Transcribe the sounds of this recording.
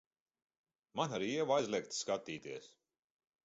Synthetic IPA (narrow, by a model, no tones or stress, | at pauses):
manaɾiɛvajzlʲˠɛk̚t̪skat̪ːiːt̪iɛs